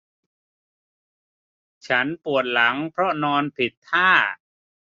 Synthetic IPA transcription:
t͡ɕʰa˦˥npu˨˩ət̪̚la˩˦ŋpʰɾɔ˦˥nɔː˧npʰi˨˩t̪ʰːaː˥˩

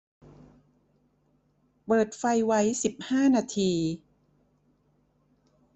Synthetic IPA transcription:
pɤː˨˩t̪̚fa˧jwa˦˥jsi˨˩p̚haː˥˩naː˧t̪ʰiː˧

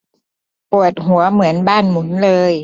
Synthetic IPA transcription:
pu˨˩ət̪̚ɦu˩˦ɐmɯ˩˦ənbaː˥˩nmu˩˦nlɤː˧j

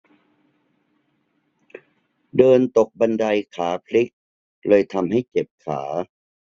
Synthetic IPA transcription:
dɤː˧nt̪o˨˩k̚ba˧nda˧jkʰaː˩˦pʰli˦˥k̚ | lɤː˧jt̪ʰa˧mɦa˥˩jt͡ɕe˨˩p̚kʰa̰ː˩˦

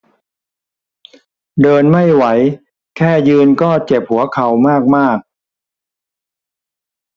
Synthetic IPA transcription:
dɤː˧nma˥˩jwa˩˦j | kʰɛː˥˩jɯː˧nkɔː˥˩t͡ɕe˨˩p̚hu˩˦ɐkʰa˨˦wmaː˥˩k̚maː˥˩k̚

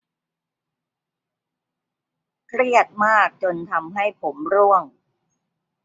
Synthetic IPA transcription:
kʰɾi˥˩ət̪̚maː˥˩k̚t͡ɕo˧nt̪ʰa˧mɦa˥˩jpʰo˩˦mɾu˥˩əŋ

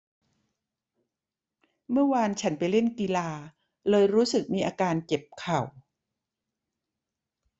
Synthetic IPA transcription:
mɯ˥˩ɐwaː˧nt͡ɕʰa˦˥npa˧jle˥˩nki˧laː˧ | lɤː˧jɾuː˦˥sɯ˨˩k̚miː˧ʔaː˧kaː˧nke˨˩p̚kʰa˨˩w

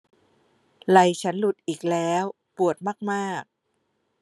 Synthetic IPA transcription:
la˧˩jt͡ɕʰa˦˥nlu˨˩t̪̚ʔiː˨˩k̚lɛː˦˥w | pu˨˩ət̪̚maː˥˩k̚maː˥˩k̚

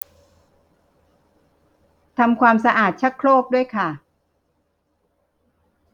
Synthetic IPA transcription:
t̪ʰa˧mkʰwaː˧msa˧ʔaː˨˩t̪̚t͡ɕʰa˦˥kkʰɾoː˥˩p̚du˥˩əjkʰa˥˩

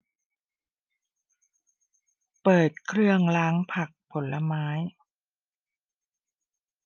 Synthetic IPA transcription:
pɤː˨˩t̪̚kʰɾɯ˥˩əŋlaː˦˥ŋpʰa˨˩k̚pʰo˩˦nla˧maː˦˥j

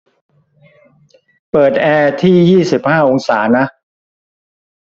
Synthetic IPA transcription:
pɤː˨˩t̪̚ʔɛː˧t̪ʰiː˥˩jiː˥˩si˨˩p̚haː˥˩ʔo˧ŋsaː˩˦na˦˥ʔ

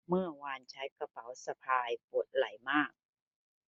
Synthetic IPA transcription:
mɯ˥˩ɐwaː˧nt͡ɕʰa˦˥jka˧pa˩˦wsa˧pʰaː˧jpo˨˩t̪̚la˨˩˦jmaː˥˩k̚

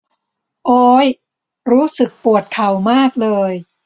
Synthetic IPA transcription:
ʔoː˦˥j | ɾuː˦˥sɯ˨˩k̚pu˨˩ət̪̚kʰa˨˩wmaː˥˩k̚lɤː˧j

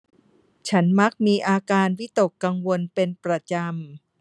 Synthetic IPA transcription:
t͡ɕʰa˦˥nma˦˥k̚miː˧ʔaː˧kaː˧nwi˦˥t̪o˨˩kːa˧ŋwo˧npe˧npɾa˧t͡ɕa˧m

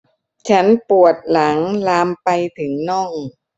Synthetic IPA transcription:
t͡ɕʰa˦˥npu˨˩ət̪̚la˩˦ŋlaː˧mpa˧jt̪ʰɯ˩˦ŋnɔ˥˩ŋ

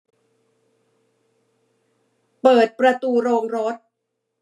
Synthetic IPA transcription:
pɤː˨˩t̪̚pɾa˧t̪uː˧ɾoː˧ŋɾo˦˥t̪̚

